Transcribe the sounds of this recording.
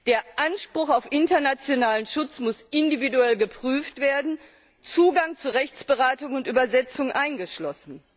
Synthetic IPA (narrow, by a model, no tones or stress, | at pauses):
d̥eːɐʔanʃpʁ̥ʊxaʊfʔɪntɐnat͡sjonaːlənʃʊt͡smʊsʔɪndividuɛlɡəpʁ̥yːftv̥eːɐdn̩ | t͡suːɡaŋt͡suʁɛçt͡sb̥əʁaːtʊŋʊntʔyːbɐzɛt͡sʊŋʔaɪnɡəʃlɔsn̩